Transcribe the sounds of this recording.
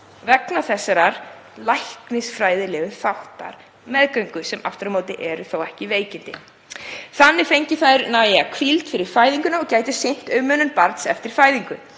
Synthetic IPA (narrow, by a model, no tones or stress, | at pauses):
vɛknaθɛsːaɾaɾ̥ | lajhknɪsfɾaːjðɪlɛːɣʏθawht̪a̰ɾ̥ | mɛðkœɥŋkʏsɛmʔa̰ft̪ɾamoːwt̪ɪʔɛɾʏθowɛhcɪveːjcɪnt̪ɪ | θanːɪfejɲcɪθaðɾnawjɛakʰvilt̪fɪɾɪɾ̥faːjðiŋkʏnaɔɣcaːjt̪ɪsɪn̥t̪œɥmœnːʏnpaɾt̪sɛ̰ft̪ɪɾ̥faːjðiŋkʏ